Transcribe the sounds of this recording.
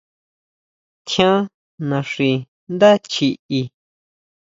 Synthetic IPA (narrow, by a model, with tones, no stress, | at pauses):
t̪ʰjã˦ | nã˨ʂi˨ | nd̪a˦t͡ʃi˧ʔi˧